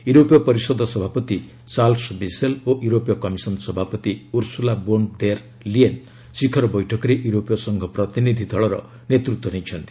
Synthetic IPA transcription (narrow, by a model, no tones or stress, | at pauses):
juɾopjɔpʌɾisɔd̪ʱɔsɔbʱapɔt̪i | t͡ʃalsbiseloʔjuɾopjɔkʌmisʌnsɔbʱapɔt̪iuɾsulabond̪eɾ | lien | sikʰʌɾɔbɔjʈʰɔkɔɾeʔjuɾopjɔsʌŋɡʱʌpɾʌt̪inid̪ʱid̪ʱʌɭɾʌ̰ | net̪ɾut̪wɔnẽjt͡ʃʰʌnt̪i̥